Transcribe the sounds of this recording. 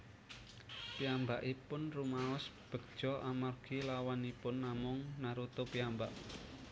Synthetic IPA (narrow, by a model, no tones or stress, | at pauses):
piambaʔipʊnrumaɔsb̥ə̤ɡ̚d̥ʒ̥ɔ̤ʔamarɡ̥ilawanipʊnːamʊŋnaɾut̪opiambaʔ